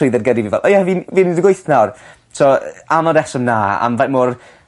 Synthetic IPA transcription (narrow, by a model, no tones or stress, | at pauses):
ɪjðɛrɡədivinvɛ̰lˠʔɔjɛvinviːnɪdəɡwojθnawr | tʰɔanɔdɛsəmnaːa̰mvamoːr